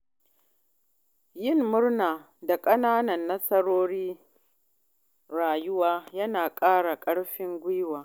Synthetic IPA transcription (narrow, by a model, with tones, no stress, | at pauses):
jɪ˦˨mːʊ˦ɽnaː˨ | da˨kʼɐ˦naː˦nɐ˨nːɐ˦sɐ˦ɽoː˦ɽiː˦ | ɾaː˨jʊ˦waː˦jɐ˦naː˨kʼaː˦ɽa˨kʼɐ˦ɽɸɪ˦ŋɡʷʊ˦waː˨